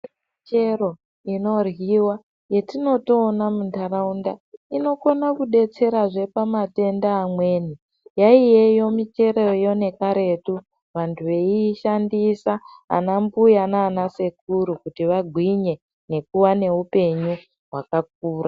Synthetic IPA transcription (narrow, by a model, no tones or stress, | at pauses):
it͡ʃe̞ro̞ | ino̞rwiwa | je̞tino̞to̞ːnamuntaraundaino̞ko̞nakuɗe̞t͡se̞ɾaʐe̞pamate̞ndaːmwe̞ːni | jaijejo̞mit͡ʃe̞ɾojo̞ne̞kaɾe̞tu | ʋantʰuʋe̞iʃandisa | a̰nambujanaːnase̞k̚uɾukutiʋaɡʱwiɲe̞ | ne̞kuwane̞ɦupe̞ɲu | ɦwakak̚uːra